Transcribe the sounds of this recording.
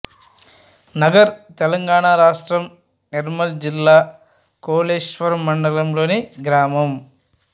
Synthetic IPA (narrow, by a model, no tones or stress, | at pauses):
nɐɡɐɾt̪ɛlɐŋɡaːɳaɾaːʂʈɾɐm | niɾmɐld͡ʒilːaː | koːleːʂʋɐɾɐmːɐɳɖɐlɐmlo̞ːniɡɾaːmɐm